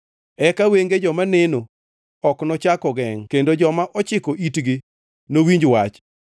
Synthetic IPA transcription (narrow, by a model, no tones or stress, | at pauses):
ɛkaweŋɡed͡ʒɔmaneno | ɔknɔt͡ʃakɔɡɛŋkendod͡ʒɔmaʔɔt͡ʃɪkɔʔitɡi | nowiɲd͡ʒwat͡ʃ